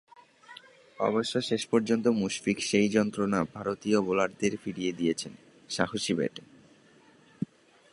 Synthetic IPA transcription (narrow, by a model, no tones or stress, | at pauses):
ɔ̰boʃːoʃeʃpɔɾd͡ʑont̪omuʃfikʃejd͡ʑɔnt̪ɾonabʱaɾot̪iobolaɾd̪eɾfiɽied̪ijet͡ɕʰen | ʃakoʃibɛ̰ʈe